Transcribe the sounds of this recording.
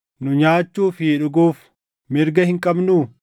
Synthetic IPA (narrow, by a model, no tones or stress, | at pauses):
nʊɲaːt͡ʃːuːfiːᶑʊɡuːf | mɪɾɡɐhɪŋkʼɐbnuː